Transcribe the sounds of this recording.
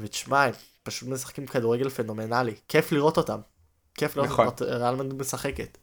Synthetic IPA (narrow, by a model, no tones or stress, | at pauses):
veti̥ʃmaim | paʃutmesḁχkimkaduʁeɡe̞lfeno̞me̞nalikʰe̞fliʁo̞t̪o̞t̪am | kefliɣotot̪ʁalmand̪me̞saχeket̪